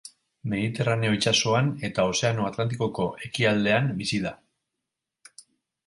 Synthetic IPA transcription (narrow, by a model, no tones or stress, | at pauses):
me̞ðit̪e̞rane̞o̞it͡ʃaso̞ane̞t̪ao̞se̞ano̞at̪lant̪̬iko̞ko̞ʔe̞kiald̪e̞ambisiða